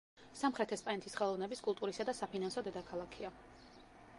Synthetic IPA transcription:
samχɾɛt̪ʰɛspʼanɛt̪ʰisχɛlˠɔvnɛbiskʼulˠt̪ʼuɾisad̪asapʰinansɔd̪ɛd̪akʰalˠakʰia

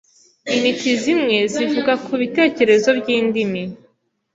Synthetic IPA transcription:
initizimŋe̞zivuɡakʰuβite̞ːce̞ɾe̞zo̞bɟiːndimi

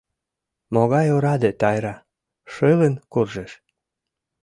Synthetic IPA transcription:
moɣɑjoɾɑd̪et̪ɑjɾɑ | ʃelenkurʒeʃ

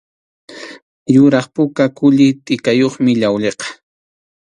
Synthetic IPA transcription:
jʊɾɑχpʊkakʊʎɪt̪ʼɪkajoχmɪʎawʎeqɑ̥

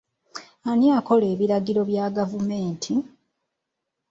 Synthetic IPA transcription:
aniako̞le̞ːβiɾaɡiɾo̞βjaːɡavumeːntʰi

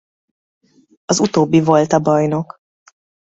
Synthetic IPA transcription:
ɒzut̪oːbːivo̞lt̪ɒbɒjno̞k

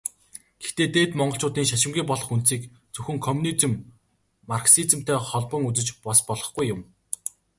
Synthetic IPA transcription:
ɡ̥e̥xt̪eːt̪eːt̪mɔɴɢɞ̆ɬt͡ɕʰʊːt̪iːŋʃaʃɪ̆mɡʲiːpɔɮɞ̆χunt̪siːk | t͡sɵxɵ̆ŋkʰɔmunit͡sɘ̆mː | arksit͡s̆m̥t̪eːχɔɮpɞ̆ŋut͡sɘ̆t͡ɕpɔspɔɮɞ̆χɡujːʊm

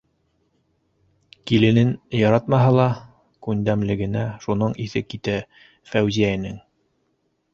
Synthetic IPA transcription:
kilɘ̆nɘnjɑɾɑt̪mɑɦɑlˠɑ | kʉnd̪æmlɘ̆ɡɘ̆næʃun̪ɤɴiθɘkit̪æ | fæwzijæjɘ̆nɘŋ

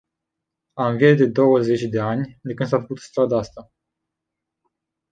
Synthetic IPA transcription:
amviet̪̚d̪e̞d̪o̞wəze̞t͡ʃʲd̪e̞anʲd̪ekɨnd̪safəkut̪st̪ɾad̪aast̪a

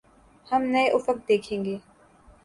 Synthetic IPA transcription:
hɐmnɐeʔʊfək̚d̪eːkʰẽːŋɡeː

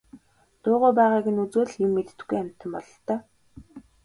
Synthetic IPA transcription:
t̪ʊːʁʊːpæːʁaːkɘ̆nut͡soːɮjʊmːet̪̆t̪̆ɡujam̥ʲt̪ə̆mpɔɮɞ̆ɬt̪œː

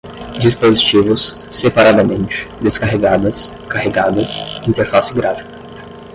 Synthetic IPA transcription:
d͡ʒispozit͡ʃivʊsː | epaɾad̪ɐmẽnt͡ʃɪ̥d̪eskaɦeɡad̪ɐs | kaheɡad̪ɐsĩnt̪eɾfasɪɡɾafi̥kɐ̥

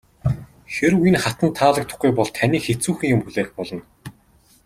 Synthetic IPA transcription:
xeɾujɘ̆nχat̪ə̆nt̪ʰːaːɮə̆k̚t̪ʰʊ̥χɡujpɔɮt̪ʰaniːxet͡suːxɘ̆ŋjʊmxuɮeːxpɔɮɞ̆n

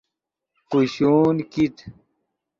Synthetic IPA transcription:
quɕuːnkit̪

